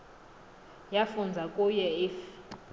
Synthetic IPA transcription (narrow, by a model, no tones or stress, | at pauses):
jafund͡zʱakʼujɛif